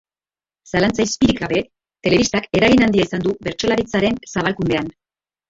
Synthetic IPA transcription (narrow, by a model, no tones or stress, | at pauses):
salant͡sajspiɾikaβe̞ | t̪e̞le̞βist̪ake̞ɾaɣinand̪iaisand̪uβe̞ɾt͡ʃo̞laɾit͡saɾe̞nsaβalkund̪e̞an